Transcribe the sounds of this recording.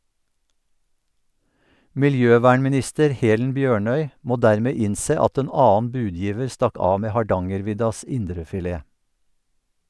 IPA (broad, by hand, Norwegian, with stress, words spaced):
mɪlˈjøːˌʋæːɳmɪˌnɪstəɾ ˈheːlən ˈbjøːˌɳœʏ ˈmoː ˈdæːɹˌmeː ˈɪnˌseː ˈɑt ˈeːn ˈɑːn̩ ˈbʉːˌdjiːʋəɹ ˈstɑk ˈɑː ˈmeː hɑˈɖɑŋəɾˌʋɪdɑs ˈɪndɾəfɪˌleː